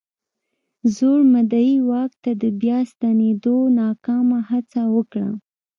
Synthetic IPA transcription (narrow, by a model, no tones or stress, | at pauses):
zoɽmad̪ajiwɑk̚t̪ad̪əbjɑst̪aned̪onɑkɑmahat͡sawəkɽa̰